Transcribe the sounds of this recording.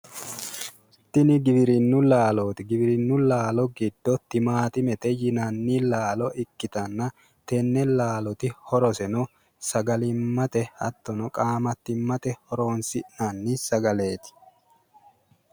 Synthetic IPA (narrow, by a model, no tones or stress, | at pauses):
t̪ːɪnɪɡɪbɪɾɪnːʊlaːloːt̪ɪɡɪbɪɾɪnːʊlaːlɔɡɪd̪̥ːɔt̪ːɪmaːt̪ɪmɛt̪ɛjɪnɐnːiːlaːlɔʔɪkːɪt̪ɐnːɐ | t̪ɛnːɛlaːlɔt̪ɪhɔɾɔsɛnɔ | sɐɡɐlɪmːɐt̪ɛhɐt̪ːɔnɔkʼaːmɐt̪ːɪmːɐt̪ɛhɔɾo̞ːnsɪnɐnːisɐɡɐle̞ːt̪ɪ̥